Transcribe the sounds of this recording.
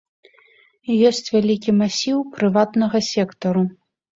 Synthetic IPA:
jɔsʲt͡sʲvʲalʲikʲimasʲiwpɾɨvat̪nɐɣɐsʲɛkt̪ɐɾu

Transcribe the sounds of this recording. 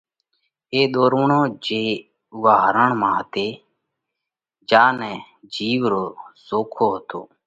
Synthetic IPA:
eːɗ̪oːɾʋəɳõːd͡ʒeː | ʊʋaːɦɾəɳmãːɦət̪eː | d͡ʒaːnɛ̃ː | d͡ʒiːʋɾoːsoːkʰoːɦət̪o̰ː

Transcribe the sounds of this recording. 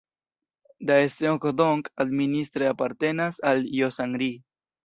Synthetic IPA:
d̪aest̪eokoðoŋkad̪minist̪ɾeapaɾt̪enasaljosaŋɾi

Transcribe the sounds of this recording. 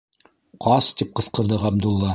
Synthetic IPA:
qʰɑst̪ip̚qɤ̆sqɤ̆ɾd̪ɤʁɑb̚d̪ulˠːɑ

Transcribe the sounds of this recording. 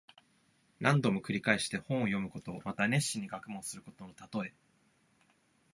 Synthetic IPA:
nʔãnd̪o̞mo̞kɯ̟ɾʲikaeɕi̥t̪e̞hõ̞ɰ̃o̞jo̞mɯ̟ko̞t̪o̞mat̪ane̞ɕːĩɲ̟ːiɡakɯ̟mõ̞sɨɾɯ̟ko̞t̪o̞not̪at̪o̞e̞

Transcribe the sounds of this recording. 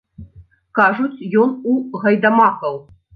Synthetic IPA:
kaʐut͡sʲjɔnuɣɐjd̪ɐmakɐw

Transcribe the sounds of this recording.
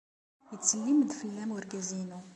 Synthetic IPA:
jət͡sːəlːimd̪fəlːæmwəɾɡæzinu

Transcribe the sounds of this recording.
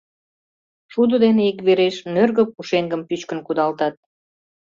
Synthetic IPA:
ʃud̪əd̪eneikβeɾeʃnørɣə̆puʃeŋɡəmpyt͡ɕkənkud̪ɑlt̪ɑt̪̚

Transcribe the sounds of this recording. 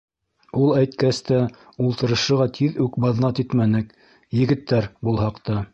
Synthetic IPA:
ulˠæjt̪kæst̪æ | ulˠt̪ɤ̆ɾɤ̆ʃɤ̆ʁɑt̪ʰiðʉkbɑðnɑt̪it̪mænɘk | jɘ̆ɡɘ̆t̪ːæɾbulˠɦɑqt̪ɑ

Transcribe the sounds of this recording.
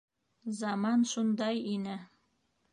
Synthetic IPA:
zɑmɑnʃund̪ɑjinɘ

